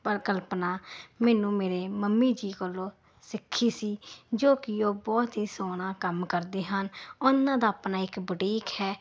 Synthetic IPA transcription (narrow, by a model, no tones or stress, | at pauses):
pəɾɪkəlpnaːmɛːnũːmeːɾeːməmːiːd͡ʒiːkəlːõː | sɪkʰːiːsiːd͡ʒoːkɪoːbɔːt̪ɦiːsoːñãːkəmkəɾd̪eːɦənʊnːãːd̪aːpnaːɪkbəʈiːkhɛː